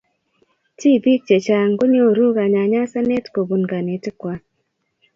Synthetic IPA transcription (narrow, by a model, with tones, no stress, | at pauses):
ti˦˨bi˦k̚t͡ʃe˨t͡ʃa˨ŋɡo˦ɲo˦˨ɾu˦ka˨ɲa˨ɲa˦sa˦ne˦tko˨bu˨nɡa˨ne˨tɪ˦kwa˨